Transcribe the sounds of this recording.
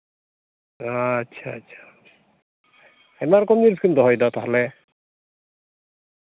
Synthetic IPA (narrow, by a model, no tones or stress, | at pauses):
atːʃʰa̰tːʃʰḁ | ḁ | emaɾkɔmniɾskint̪ɔɦɔjd̪at̪aɦle